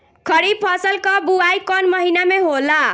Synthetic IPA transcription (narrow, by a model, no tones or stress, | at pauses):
kʰəɽipʰəsəlkɔbuajkɔnməɦinameɦola